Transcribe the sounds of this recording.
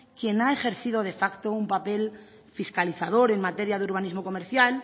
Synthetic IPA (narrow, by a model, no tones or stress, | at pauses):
kje̞nae̞xe̞ɾθið̞o̞ðe̞fakt̪o̞umpape̞l | fiskaliθað̞o̞ɾe̞nmat̪e̞ɾjaðeuɾβ̞anizmo̞ko̞me̞ɾθjal